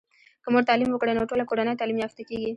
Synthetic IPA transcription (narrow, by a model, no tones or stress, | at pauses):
kəmoɖt̪ɑlimwəkɽenoʈolakoɽanəjt̪ɑlimjɑft̪akeɡi